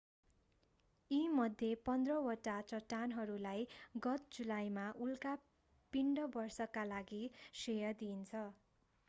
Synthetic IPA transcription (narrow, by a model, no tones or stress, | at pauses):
imʌd̪ʱjepʌnd̪rʌwʌʈat͡sʌʈːanɦʌɾulajɡʌt̪̚d͡zulajmaʔulka | piɳɖʌbʌrsʌkalaɡisejʌd̪int͡sʰʌ